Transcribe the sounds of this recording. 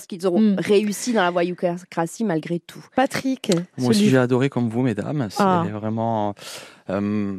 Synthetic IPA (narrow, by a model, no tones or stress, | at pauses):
sə̥kilzɔ̃ʁeysid̪ɑ̃lavwajukakʁasimalɡʁet̪ʰupat̪χikasiʒɛad̪ɔʁekɔmvumed̪a̰msɛvʁɛmɑ̃ | ø